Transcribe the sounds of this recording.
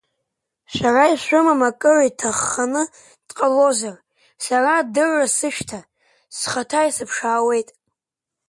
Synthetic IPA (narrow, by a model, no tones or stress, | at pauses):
sʷaraiʃʷʊmamakʼɨraitʰaχːanɨ | d̥qʼalo̞zar | saradɨʕʷasɨʃtʰa | sχatʰajisɨpʰʂaːwe̞jtʼ